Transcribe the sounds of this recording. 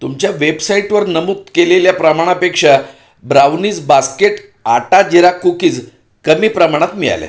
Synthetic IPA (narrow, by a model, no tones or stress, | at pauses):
t̪umt͡ɕjaʋebsaiʈʋəɾnəmut̪keleljapɾəmaɽ̃apekʂa | bɾaʋniːt͡sbaskeʈ | aʈad͡ʑiɾakukiːt͡s | kəmiːpɾəmaɽ̃at̪miɭa̰la̰